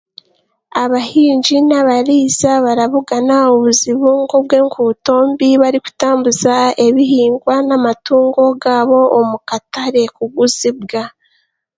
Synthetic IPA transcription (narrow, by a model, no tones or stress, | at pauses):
aβahiːɲd͡ʒinaβaɾiːzaβaɾaβuɡanaoβuziβuŋɡob̚ɡe̞ːŋkʰuto̞ːmbiβaɾiku̥taːmbuzae̞βiɦiːŋɡwanamatuːŋɡo̞ɡaːβo̞omukataɾe̞kuɡuzib̚ɡa